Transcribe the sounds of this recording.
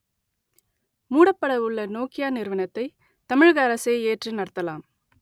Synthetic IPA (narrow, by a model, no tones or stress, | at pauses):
muːɽɐpːɐɽɐʋɯɭːɐnoːkɪjaːnɪɾɯʋɐnɐt̪ːɐɪ | t̪ɐmɪɻɣɐɐɾɐseːeːʈrinɐɾɐt̪ːɐlaːm